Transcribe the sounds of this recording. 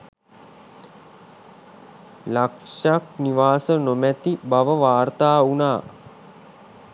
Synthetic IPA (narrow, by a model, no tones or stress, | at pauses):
lakʂak̚niʋaːsənomæt̪ibaʋəʋaːrt̪aːunaː